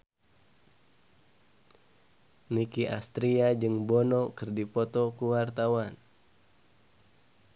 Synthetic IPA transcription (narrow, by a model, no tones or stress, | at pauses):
nikiʔa̰st̪ɾiad͡ʒɨŋbɔnɔkɨrdipɔt̪ɔkuwart̪awan